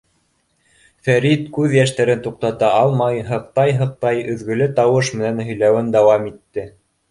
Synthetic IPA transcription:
fæɾit̪kʉðjæʃt̪æɾɘnt̪uq̚t̪ɑt̪ɑɑlˠmɑjɦɤ̆qt̪ɑjɦɤ̆q̚t̪ɑjɵ̆ðɡɵ̆lɵt̪ɑwɤʃmɘ̆nænhɵ̆jlæwɘnd̪ɑwɑmit̪ːɘ

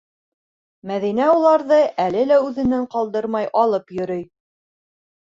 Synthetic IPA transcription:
mæðin̪æulˠɑɾðɤʔælɘlæʉðɘ̆næɴqɑlˠd̪ɤɾmɑjʔɑlˠɤpjɵ̆ɾɵj

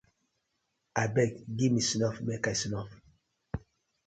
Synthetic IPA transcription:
abɛkɡimisinɔfmɛkasinɔf

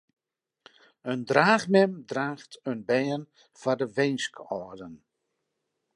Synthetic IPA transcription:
əndraːxmɛmdraːxtʰənbɛjən | fadəʋejnskɔrdən

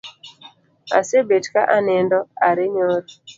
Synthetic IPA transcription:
a̰sebetkaʔanɛndɔaɾɪɲoɾ

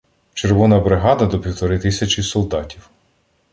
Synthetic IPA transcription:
t͡ʃerʋɔnɐbɾɪɦɑd̪ɐd̪ɔpʲiwt̪ɔɾɪt̪ɪsʲɐt͡ʃʲisɔlˠd̪ɑtʲiw

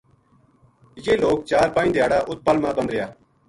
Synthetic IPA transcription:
jeːloːk̚t͡ʃaːɾpaːĩːd̪ɪjaːɽaːʔʊt̪̚pəlmãːbənd̪ɾɪjaː

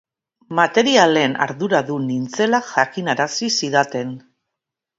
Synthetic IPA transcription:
mat̪e̞ɾiale̞na̰ɾðuɾaðunint͡se̞laʝakinaɾasisiðat̪e̞n

